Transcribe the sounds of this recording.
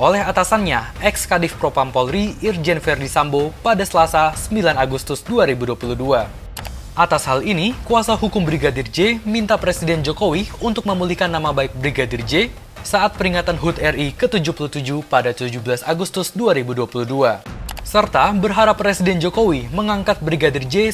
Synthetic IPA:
ʔolɛɦat̪asanɲaʔɛkskadɪfpɾopampɔlɾiird͡ʒɛnfɛrdisambopadasəlasasəmbilanaɡust̪ʊsduaɾibuduapuluhdua | ʔat̪ashalinikuasahukʊmbɾiɡadird͡ʒemint̪apɾesidɛnd͡ʒokowiunt̪ʊk̚məmulɪhkanːamabaɪk̚bɾiɡadɪrd͡ʒe | saʔat̪̚pəɾiŋat̪anɦut̪ɛrikət̪ud͡ʒuhpulut̪ud͡ʒupadat̪ud͡ʒubəlasaɡust̪ʊsduaɾibuduapuluduasərt̪abərɦaɾapːɾesidɛnd͡ʒokowiməŋaŋkat̪̚bɾiɡadɪrd͡ʒe

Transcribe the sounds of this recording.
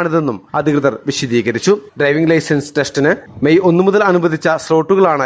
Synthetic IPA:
ɳiðe̞nːumɐd̪ʱiɣrɨðɐrʋiɕɐd̪iːɣɐɾit͡ɕːuɖrɐjʋiŋɡlɐjsɐnsɨ̥te̞sʈinɨmejo̞nːɨmuðɐlɐnubɐd̪ʱit͡ɕːɐslo̞ːʈːuɣɐɭaːɳɨ

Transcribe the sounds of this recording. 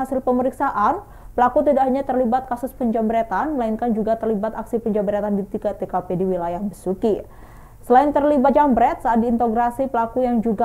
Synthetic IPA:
asɪlpəməɾiksaʔan | pəlakut̪idaʔɦaɲat̪ərlibat̪̚kasʊspəɲd͡ʒambɾɛt̪anməlainkand͡ʒuɡat̪ərlibat̪aksipəɲd͡ʒambəɾɛt̪andit̪ikat̪ekapediwilajahbəsuki | səlaɪnt̪ərlibad͡ʒambɾɛt̪̚saat̪̚diːnt̪oɡɾasipəlakujaŋd͡ʒuɡa

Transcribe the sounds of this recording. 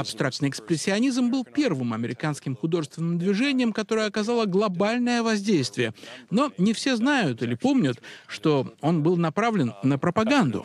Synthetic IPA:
ɐpst̪ɾak̚t̪nɨjɪkspɾʲɪsʲːɪɐnʲizmbɨlˠpʲe̞rvɨmɐmʲɪɾʲɪkanskʲɪmxʊd̪o̞ʐɨst̪vʲɪnɨmd̪vʲɪʐenʲɪjəmkɐt̪o̞ɾəjəɐkɐzalˠəɡlˠɐbalʲnəjəvɐzʲdʲejst̪vʲɪjəno̞nʲɪfsʲe̞znajʊt̪ilʲɪpo̞mnʲʊt̪ʂt̪o̞o̞nbɨlˠnɐpɾavlʲɪnnəpɾəpɐɡand̪ʊ̰

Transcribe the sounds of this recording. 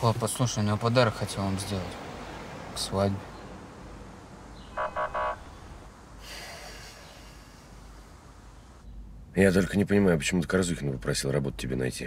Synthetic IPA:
opɐslˠuʂəlʲˠnʲɪvopɐd̪aɾəkxɐtʲelˠvamzʲdʲe̞lˠətʲ | ksvadʲbʲɪ | jat̪o̞lʲkənʲɪpənʲɪmajʊpət͡ɕɪmut̪əkɐɾzukʲɪnəpəpɾɐsʲilˠrɐbot̪ʊ̥tʲːɪbʲḛnɐ̰jtʲḭ

